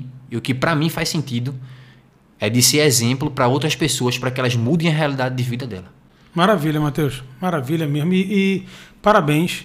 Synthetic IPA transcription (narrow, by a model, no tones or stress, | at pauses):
ʊkɪpɾɐmĩfajsẽnt̪id̪ʊ | ɛd̪ɪseɾɛzẽmplʊpɾɐowt̪ɾɐspesoɐspɾɐkɪɛlɐzmud̪ẽj̃ɐɦealid̪ad̪ɪd̪ɪvid̪ɐd̪ɛ̰lɐ | maɾaviʎɐmat̪ewʃmaɾaviʎɐmezmʊiʔːpaɾabẽj̃s